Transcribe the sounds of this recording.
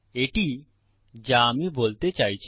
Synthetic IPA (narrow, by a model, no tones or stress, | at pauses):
eʈi | d͡ʑaamibolt̪et͡ɕajt͡ɕʰ